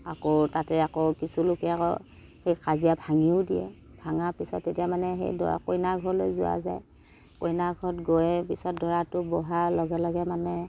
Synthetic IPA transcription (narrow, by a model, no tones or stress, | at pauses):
akotatɛakokisulʊkɛakɔ̰ | hejkazijabʱaŋiʊdiɛ̰ | bʱaŋapisɔ̰tːetijamanɛɦḛjdɔ̰ɹa̰kojnaɡʱɔɹlojzʊwa̰za̰j | kojnaɡʱɔtɡojɛpisɔt̚dɔɹatʊbɔɦalɔɡɛlɔɡɛmanɛ